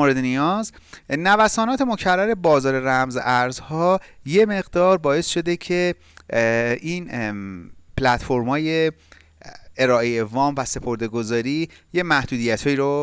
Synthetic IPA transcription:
oɾe̞d̪enijɒːz | nævæsɒːnɒːt̪ʰe̞mo̞cʰærːæɾe̞bɒːzɒːɾe̞ɾæmzʔæɾzhɒːje̞me̞ɣd̪ɒːɾbɒːje̞sʃo̞d̪ecʰe̞ | ʔiːn | pʰlæt̪fo̞ɾmhɒːje̞ | eɾɒːʔejevɒːmvæse̞pʰo̞ɾd̪e̞ɡo̞zɒːɾiːjemæhd̪uːd̪ijæt̪hɒːjiːɾo

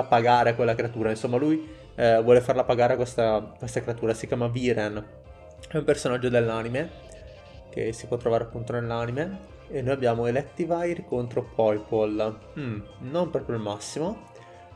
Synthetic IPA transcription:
apaɡaːɾeakwelːakɾeat̪uːɾainsomːaluj | vwɔːlefarlapaɡaːɾeakwest̪akwest̪akɾeat̪uːɾasikjaːmaviɾen | ɛumpersonad͡ʒːod̪elːanime | k̟ḛsi̥pwɔt̪ːɾovaːɾeapːunt̪onelːanime | enːoːjabːjaːmoelɛt̪ːivajrkont̪ɾopʰɔjpol | m̩nompɾɔːpɾjoilmasːimo

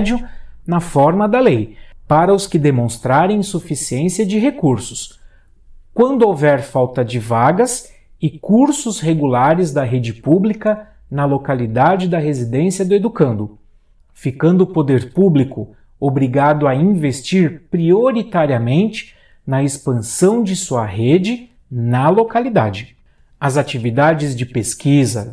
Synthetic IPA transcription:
d͡ʒjʊnɐfɔɾmɐd̪ɐlejpaɾɐʊskɪd̪emõst̪ɾaɾẽj̃sufisiẽsiɐd͡ʒɪɦekuɾsʊs | kwɐ̃nd̪ʊowvɛɾfawt̪ɐd͡ʒɪvaɡɐs | ɪkuɾsʊsheɡulaɾɪzd̪ɐɦed͡ʒɪpublikɐ | nɐlokalid̪ad͡ʒɪd̪ɐɦezid̪ẽsiɐd̪ʊed̪ukɐ̃nd̪ʊ | fikɐ̃nd̪ʊpod̪eɾpublikʊ | obɾiɡad̪ʊɐĩvest͡ʃiɾpɾioɾit̪aɾiɐmẽnt͡ʃɪ̥ | nɐespɐ̃sɐ̃w̃d͡ʒɪsuɐhed͡ʒɪ | nɐlokalid̪ad͡ʒɪ | ɐzat͡ʃivid̪ad͡ʒɪzd͡ʒɪpeskizɐ̰

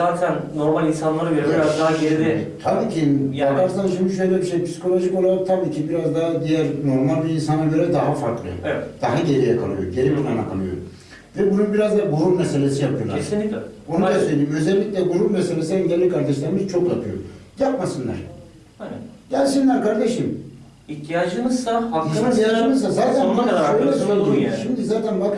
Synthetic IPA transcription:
zaːt̪ʰænno̞ɾmalʲinsanlˠaɾɡeɾɾazd̪aɦaɡeɛit̪ʰabiːcʰiakaɾsɯnːaɾʃind̪iʃøjlʲɛbiʃejpi̥si̥kʰo̞lʲˠo̞ʒikolˠat̪ʰabiːcʰibiɾazd̪ad̪ijæɾno̞ɾmalʲbiinsanaɟø̞ɾɛd̪aɦafaɾklˠɯ̰ɛd̪̥aɦaɟeɾijɛkʰalˠɯ̰jo̰ɟe̞ɾibit̪ʰanakʰa̰lˠɯ̰jo̰ | vɛbununbiɾazd̪aɡulupmɛse̞lʲesijapʰɯjolˠaeɾsinio̞nud̪asø̞ldʲiːimøzɛlʲːicʲlʲɛɡuɾupmɛselʲesiɛɲɟælʲikʰaɾd̪eʃlʲˠaɾmɯzt͡ʃʰo̞kjapʰɯjo̰japmasɯnlˠa̰ɾ̥ | ɟælʲsinlʲæɾkʰaɾd̪eʃim | içt̪ʰijaːd͡ʒɯmɯzsahainaiijaːd͡ʒɯmɯzsazaːt̪ʰænuaaɾɛsonad̪uʃimd̪izaːt̪ʰænbak

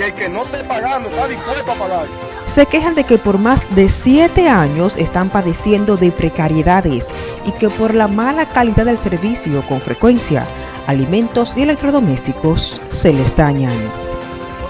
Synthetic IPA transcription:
ekenot̪epaɣaonaðikalet̪apaɣaɾ | se̞ke̞xand̪e̞ke̞po̞ɾmazd̪e̞sje̞t̪e̞aɲo̞se̞st̪ampaðe̞sje̞nd̪o̞ðe̞pɾe̞kaɾjeðaðe̞s | ike̞po̞ɾlamalakaliðaðelse̞ɾβisjo̞ko̞ɱfɾe̞̰kwe̞nsja̰ | alimẽ̞nt̪o̞sie̞le̞k̚t̪ɾo̞ðo̞me̞st̪iko̞sː | e̞le̞sd̪aɲan

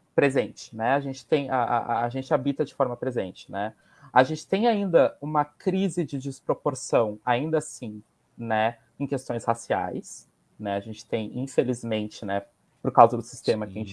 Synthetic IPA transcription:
pɾezẽnt͡ʃɪ̥nɛaʒẽt͡ʃɪ̥t̪ẽj̃aʔa̰ːʒẽnt͡ʃɪabit̪ɐd͡ʒɪfɔɾmɐpɾezẽnt͡ʃɪ̥nɛ | aʒẽnt͡ʃɪ̥t̪ẽj̃aĩnd̪ɐũmɐkɾizɪd͡ʒɪd͡ʒɪspɾopoɾsɐ̃w̃aĩnd̪ɐsĩ | nɛ | ẽj̃kest̪õj̃shasia̰js | nɛaʒẽnt͡ʃɪ̥t̪ẽj̃ḭ̃felizmẽnt͡ʃɪnɛ | poɾkawzɐd̪ʊsi̥st̪ẽmɐkɪɪʒẽt͡ʃ

